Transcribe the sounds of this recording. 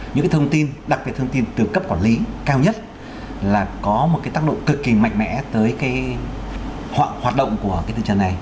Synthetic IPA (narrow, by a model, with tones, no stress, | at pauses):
ɲɨ̰˧˥ŋkːaː˨˦t̪ʰə˧wŋ͡mt̪i˧nɗa˨˩k̚ɓi˨˩t̪̚ʰə˧ŋ͡mt̪i˧nt̪ɨ˨˩kə˦˥p̚kwa˧˩nli˨˦kaː˧wɲə˦˥t̚ | laː˨˩kɔ˨˦mo˨˩t̚kaː˨˦jt̪aː˦˥kɗo̰˧˨ŋ͡mkɨ˨˩kːi˨˩ma̰˧˨jŋ̟mɛ̰˧˥t̪əː˨˦jkaː˨˦j | hhwaː˨˩t̚ɗə̰˧˨wŋ͡mku˧˩əkaː˨˦t̪ʰɨ̰˧˨t͡ɕə˧˩nːa˨˩j